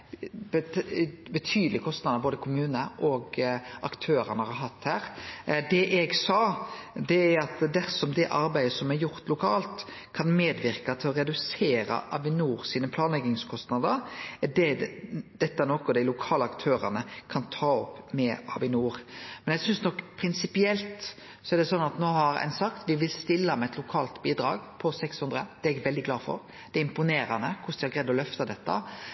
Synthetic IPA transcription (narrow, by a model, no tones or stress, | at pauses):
b̪ | bət̪ʰyːd̪əlɪkʰɔst̪nɑd̪əɾboːd̪əkʰʊmʉːnəʔɔɡɑkt̪ʰøːɾənəhɑɾhɑt̪ːhæːɾd̪ɛʔɛɡsɑːd̪ɛæɾɑt̪d̪æɾsɔmd̪ɛʔɑɾbæɪəsɔmɛɾjʊɾt̪lʊkʰɑːlt̪ | kʰɑnmeːd̪ʋɪɾkɑt̪ʰɪlɔɾɛd̪ʉseːɾɑ̰ʔɑ̰ʋɪnuːɾsiːnəpʰlɑːnlɛɡɪŋskʰɔst̪nɑd̪əɾɛdɛd̪̥ɛt̪ːɑɛnɔkɔd̪æɪlʊkʰɑːləɑkt̪ʰøːɾɑ̰nəkʰɑnt̪ʰɑːɔpmɛɑ̰ʋɪnuːɾmɛnɛɡsʏnsnɔkːpʰɾɪnsɪpɪɛlt̪ | sɔæɖd̪ɛsɔnːɑt̪noːɦɑɾæ̰ɪnsɑkt̪ʋɪʋɪlst̪ɪlːəmɛɛt̪lʊkʰɑːlt̪biːd̪ɾɑ̰ːɡpʰɔsɛkshʉnd̪ɾəd̪̥ɛɛɡʋɛld̪ɪɡlɑːfɔ̰ɾ | d̪̥ɛɪmpʊneːɾɑnəkʰʊsd̪ɪhɑɾɡɾɛd̪ːɔlœft̪ɑd̪ɛt̪ːɑ̰